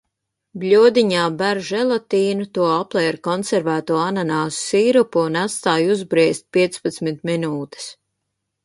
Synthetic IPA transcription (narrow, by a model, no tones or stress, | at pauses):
blʲuɔd̪iɲaːbæɾʒɛlˠat̪iːnut̪uɔaplˠɛːɾkɔnsɛɾvæːt̪uɔananaːssiːɾupuːnat̪st̪aːjuzbɾiɛst̪̚pʲiɛt̪spat̪smit̪minuːt̪e̥s